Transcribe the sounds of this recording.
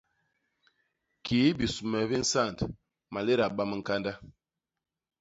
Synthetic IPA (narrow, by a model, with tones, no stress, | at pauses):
kʰiː˨˦bi˨su˨mɛ˨bi˦n̩˦sa˦˨n˨t | ma˨le˦ɾa˨ɓa˦mə˦˨ŋ̩˨ka˦nda˦